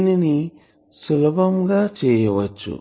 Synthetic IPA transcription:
nini | sulɐbʱɐmɡaːt͡ʃɛːjɐʋɐt͡ʃːṵ

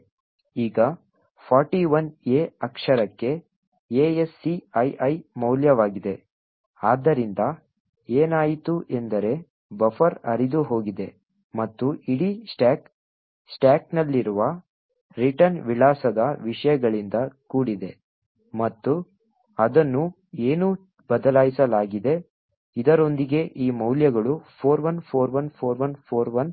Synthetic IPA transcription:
iːɡɐ | pʰaːɾʈiʋɐneːɐkʂɐɾɐkːe̞ | eːesːiɐjʔɐjmɐwljɐʋaːɡid̪e | aːd̪ːɐɾind̪ɐ | eːnaːjit̪uʔe̞nd̪ɐɾe̞ | bɐfʰɐɾɐ̰ɾid̪uɦo̞ːɡid̪e̞ | mɐt̪ːuiɽisʈaːk | sʈaːknɐlːiɾuʋɐ | ɾiʈɐnʋiɭaːsɐd̪ɐʋiʂɐjɐɡɐɭind̪ɐkuːɽid̪e̞ | mɐt̪ːu | ɐd̪ɐnːu | eːnu | bɐd̪ɐlaːjisɐlaːɡid̪e̞ | id̪ɐɾo̞nd̪iɡe̞ʔiːmɐwljɐɡɐɭupʰoːɾʋɐnpʰoːɾʋɐnpʰoːɾʋɐnpʰoːɾʋɐn

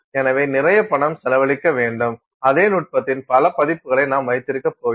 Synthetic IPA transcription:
ɛnɐʋeːnɪrɐjɐpːɐɳɐmsɛlɐʋɐɭɪkːɐʋeːɳɖɯm | ɐðeːnuːʈ̚pɐt̪ːɪnpɐlɐpɐðɪpːɯɣɐɭɐɪnaːmʋɐɪt̪ːɪɾɯkːɐpːoː

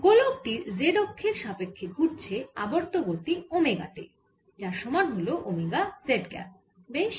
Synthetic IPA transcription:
ɡolok̚ʈiɾzeɖokʰːeɾʃapekʰːeɡʱuɾt͡ɕʰea̰boɾt̪oɡoɾt̪iomeɡa̰ʈḛ | d͡ʑaɾʃɔmanɦoloʔomeɡazeɖɡɛ̰p | beʃ

